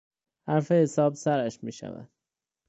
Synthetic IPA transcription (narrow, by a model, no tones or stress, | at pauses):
hæɾfehesɒːbsæɾæʃmiːʃæ̰væ̰d̪̥̚